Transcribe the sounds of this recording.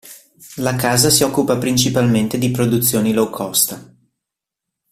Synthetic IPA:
lakaːzasiɔkːupapɾinʲt͡ʃipalment̪ed̪ipɾod̪ut̪sːjoːnilowkʰɔst̪a

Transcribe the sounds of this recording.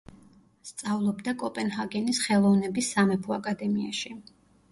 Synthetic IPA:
st̪sʼavlˠɔbd̪akʼɔpʼɛnhaɡɛnisχɛlˠɔvnɛbisːamɛpʰɔakʼad̪ɛmia̰ʃi

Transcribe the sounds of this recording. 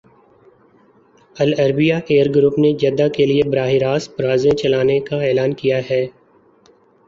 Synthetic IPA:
ɐlɐɾbijaʔeːəɾɡɾʊpned͡ʒɐd̪akeliebɾaːɦiɾaːsbɾaːzẽt͡ʃɐlaːnekaɛːlaːnkijaɦɛː

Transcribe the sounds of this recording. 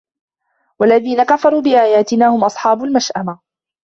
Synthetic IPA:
walːaðiːnakafɑɾˤuːbɪʔaːjaːt̪ɪnaːhʊmʔɑsˤħɑːbʊlmaʃʔama

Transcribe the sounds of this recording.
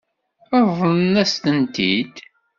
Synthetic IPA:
əvˤənæst̪ənt̪ḭd̪

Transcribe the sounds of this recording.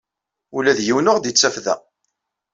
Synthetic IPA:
ulæðjiwnʊʁd̪it͡sːæfðæ̰

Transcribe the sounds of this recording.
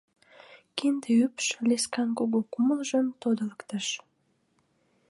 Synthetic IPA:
kind̪eypʃleskɑnkoɣokuməlʒənt̪od̪ələkt̪ɑʃ

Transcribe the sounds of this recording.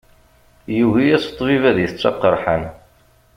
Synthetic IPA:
juʝijæsə̥t̪ˤːvivæðjəθət͡sːɑ̰qːəɾˤħən

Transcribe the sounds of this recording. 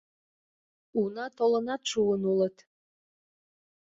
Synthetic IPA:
unɑt̪olɤ̆nɑt̪ʃuənulət̪

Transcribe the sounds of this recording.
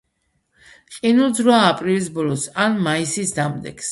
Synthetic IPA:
qʼinulˠd̪zɾɔaːpʼɾilisbɔlɔsanmaisisd̪amd̪ɛ̰ks

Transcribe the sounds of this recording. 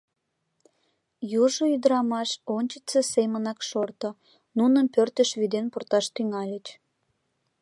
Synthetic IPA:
juʒoyd̪əɾɑmɑʃonʲt͡ɕə̥t͡sesemənɑkʃort̪o | nunəmpørt̪əʃβid̪enpurt̪ɑʃt̪yŋɑlʲət͡ɕ

